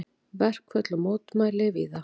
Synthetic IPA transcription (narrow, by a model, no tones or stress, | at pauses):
vɛr̥kʰvœt̪lɔmoːwt̪maːjlɪviːða